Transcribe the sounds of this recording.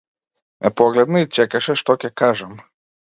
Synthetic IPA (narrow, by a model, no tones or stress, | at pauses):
ɛpɔɡlʲɛd̪nɨit͡ʃɛkɐʃɛʂt̪ɔkʲɛkaʐɛm